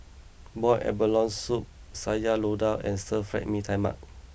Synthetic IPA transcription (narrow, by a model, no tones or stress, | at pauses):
bɔjʔɛ̰bəlɔ̃nsup̚ | sad͡ʒalodawɛ̰̃nsəfɹɛ̰k̚mĩtʰãjma̰k̚